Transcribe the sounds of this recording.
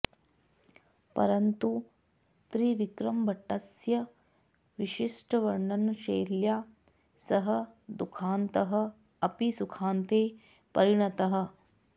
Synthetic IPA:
pɐ̰ɾɐnt̪u | t̪ɾiʋikɾɐmbɐʈːɐsjɐ | ʋiʃiʂʈɐʋɐɾɳɐnuʃeːɾljaː | sɐɦɐ̆d̪ukʰaːnt̪ɐɦɐ̆ | ɐpisukʰaːnt̪eː | pɐɾiɳɐt̪ɐɦɐ̆

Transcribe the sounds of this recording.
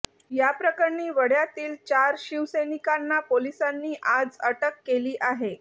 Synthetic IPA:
japɾəkəɾɳiːʋəɽjat̪iːlt͡ɕaɾɕiʋsenikanːapolisanːiːʔad͡zəʈəkːeliːʔaɦe

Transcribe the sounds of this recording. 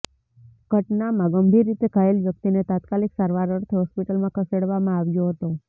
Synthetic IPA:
ɡ̥ʱəʈnamãɡəmbʱiɾːit̪ekʰaelʋjək̚t̪inet̪at̪kaliksaɾʋaɾəɾt̪ʰɦɔspiʈəlmãkʰəseɽʋamãaʋjoɦət̪o

